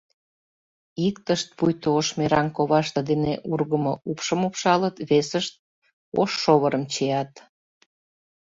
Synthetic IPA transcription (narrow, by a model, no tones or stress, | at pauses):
ikt̪əʃt̪̚pujt̪ooʃmeɾɑnkoβɑʃt̪ə̆d̪eneʔurɣəmoupʃəmupʃɑlət̪βesəʃt̪̚ | o̰ʃːoβəɾəmt͡ɕejɑt̪